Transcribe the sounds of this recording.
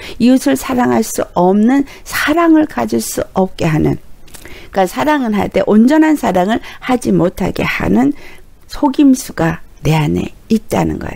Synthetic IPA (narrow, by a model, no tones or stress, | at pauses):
iusʰɯɭsʰaɾaŋɦaɭs͈uʌmnɯn | sʰaɾaŋɯɭkad͡ʑiɭs͈uʌp̚k͈e̞ɦanɯ̰n | kasʰaɾaŋɯnɦa̰ɭt͈e̞̰ʔond͡ʑʌnɦansʰaɾaŋɯɭhad͡ʑimotʰa̰ɡe̞̰ha̰nɯn | sʰoɡimsʰuɡane̞ane̞̰it̚t͈a̰nɯ̰nɡʌ̰ḛ